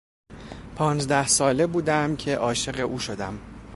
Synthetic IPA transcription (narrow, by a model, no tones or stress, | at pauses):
pʰɒːnzd̪æhsɒːle̞buːd̪æmcʰe̞ʔɒːʃe̞ɣe̞ʔuːʃo̞d̪æm